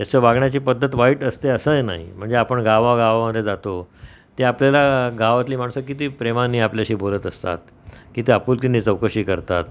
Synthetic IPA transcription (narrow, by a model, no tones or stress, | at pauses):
t̪jasəʋaɡɳjat͡ɕiːpəd̪ʱːət̪ʋaiːʈəst̪eəsəːjena̰ɦḭm̤əɳd͡zeapəɳɡaʋaɡaʋaməd̪ʱjed͡zat̪o | t̪eapljalaɡʱaʋat̪liːm̤aɽ̃səkit̪iːpɾemanːiːapljaɕiːbolət̪əst̪a̰t̪ | kit̪iapuːlk̪inːiːt͡səwkəɕiːkəɾt̪at̪